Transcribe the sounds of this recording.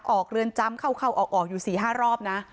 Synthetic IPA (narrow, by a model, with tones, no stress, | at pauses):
k̚ʔɔː˨˩k̚ɾɯ˧ənt͡ɕa˦˥mkʰa˥˩wkʰa˥˩wʔɔː˨˩k̚ʔɔː˨˩k̚juː˨˩siː˨˩ɦaː˥˩ɾɔː˥˩p̚na˦˥